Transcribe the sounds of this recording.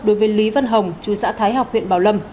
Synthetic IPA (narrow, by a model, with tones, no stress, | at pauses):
ɗo˨˦jvəː˨˦jli˨˦və˧nɦə˨˩wŋ͡mt͡ɕu˨˩sa̰ː˧˥t̪ʰaː˨˦jɦa˨˩wk͡p̚hwḭ˧˨ənɓaː˧˩wlə˧m